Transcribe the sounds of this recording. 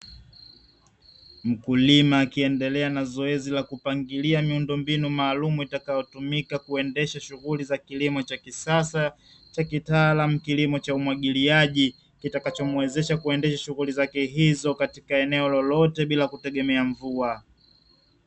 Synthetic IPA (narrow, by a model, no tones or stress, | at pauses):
m̩kulimaːkiɛndɛlɛanazɔɛzilakupaŋɡiliamiundɔmbinumaːlumuitakajɔtumikakuɛndɛʃaʃuɣulizakilimɔt͡ʃakisasa | t͡ʃakitaːlam̩kilimɔt͡ʃaumwaɠiliaʄi | kitakat͡ʃɔmwɛzɛʃakuɛndɛʃaʃuɣulizakɛɦizɔkatikaɛnɛɔlɔlɔtɛɓilakutɛɠɛmɛaɱvua